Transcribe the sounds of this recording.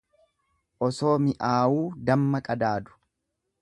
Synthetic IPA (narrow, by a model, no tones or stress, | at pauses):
ʔɔso̞ːmɪʔaːwuːd̪ɐmːɐkʼɐd̪aːd̪ʊ̥